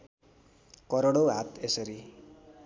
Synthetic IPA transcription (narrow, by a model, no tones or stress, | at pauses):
kʌɾoɽoɦat̪esʌɾi